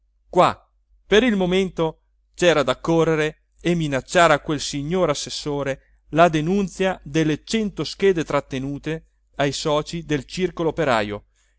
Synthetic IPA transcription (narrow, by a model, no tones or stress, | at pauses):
kwa | peɾilmoment̪o | t͡ʃɛːɾad̪akːorːeɾeː | mːinat͡ʃːaːɾakːwelsiɲːoːɾasːesːoːɾe | lad̪enunt̪sjad̪elːet͡ʃɛnt̪osk̟ɛːd̪et̪ɾat̪ːenuːt̪e | ajsɔːt͡ʃid̪elt͡ʃirkoloopeɾa̰ːjo̰